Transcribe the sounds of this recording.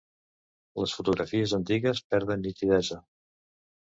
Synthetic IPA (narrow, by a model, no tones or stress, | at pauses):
ləsfut̪uɣɾʔəfiəzənt̪iɣəspɛɾðənːit̪iðɛzə